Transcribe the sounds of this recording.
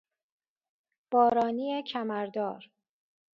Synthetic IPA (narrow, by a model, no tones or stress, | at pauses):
b̥ɒːɾɒːniːecʰæmæɾd̪ɒːɾ